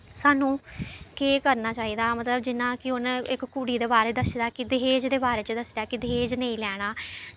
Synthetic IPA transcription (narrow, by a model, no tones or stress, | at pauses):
saːnũːkeːkəɾnaːt͡ʃaːiːd̪aːmət̪ləbd͡ʒɪnãːkɪʊnɪkkuːɽiːd̪eːbaːɾeːd̪əsd̪aːkɪd̪ɪɦeːd͡ʒd̪eːbaːɾeːt͡ʃəd̪əsd̪aːkɪd̪ɪɦeːd͡ʒnẽĩːlɛːɽ̃aː